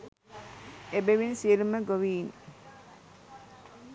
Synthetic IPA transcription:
ebeʋinsieluməɡoʋiːn

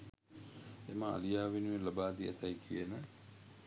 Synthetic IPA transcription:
eməa̰lijaːʋenuʋelɐbaːd̪iɐ̰t̪ɐjkʰijenə

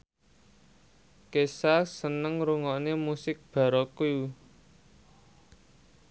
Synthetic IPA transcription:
kesasənəŋɾuŋɔʔnemusɪk̚b̥a̤ɾɔkuju

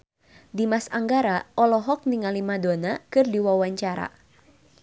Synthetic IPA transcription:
dimasaŋɡaɾaʔɔlɔɦɔk̚niŋalimadonakɨrdiwawaɲt͡ʃaɾa̰

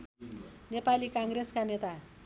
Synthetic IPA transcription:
nepalikaŋɡreskanet̪a

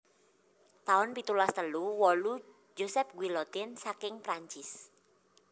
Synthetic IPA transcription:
t̪aʊnpit̪ulast̪əluwɔlu | d͡ʒosɛp̚ɡwilɔt̪ɪnsakɪŋpɾaɲt͡ʃɪs

